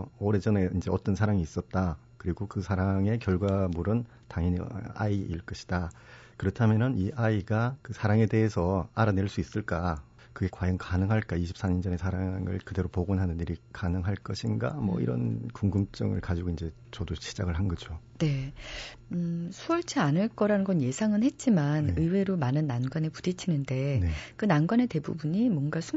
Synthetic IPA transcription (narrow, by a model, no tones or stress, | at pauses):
oɾe̞d͡ʑʌne̞ind͡ʑe̞ʌt͈ʌnsʰaɾaŋiːs͈ʌt̚t͈a | kɯɾiɡokɯsʰaɾaŋe̞kjʌɭɡwamuɾɯn | taŋʌnia̰iiɭk͈ʌɕʰi̥d̥a | kɯɾʌtʰamjʌnɯniʔaiɡakɯsʰaɾaŋe̞de̞ɦesʰʌaɾane̞ɭs͈uis͈ɯɭk͈a | kɯɡe̞kwajʌŋkanɯŋɦaɭk͈aiɕʰip̚s͈aɲʌnd͡ʑʌne̞sʰaɾaŋɯ̰ɭkɯde̞ɾopoɡunɦanɯniɾikanɯŋɦaɭk͈ʌɕʰinɡa̰mʌ̰ḭɾʌ̰nkuŋɡɯmt͡ɕ͈ʌŋɯ̰ɭkad͡ʑiɡoind͡ʑe̞ | t͡ɕʌdoɕʰi̥d͡ʑaɡɯɭɦanɡʌd͡ʑone̞ | sʰuʌɭt͡ɕʰianɯɭk͈ʌɾanɯnɡʌnje̞sʰaŋɯnhe̞t̚t͡ɕ͈imanɯiwe̞ɾomanɯnːanɡwanepudit͡ɕʰinɯnde̞nkɯnanɡwane̞te̞bubuɲimwʌnɡasʰu